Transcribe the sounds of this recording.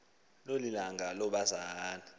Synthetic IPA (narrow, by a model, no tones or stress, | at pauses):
lolilaŋʱalɔɓazaːni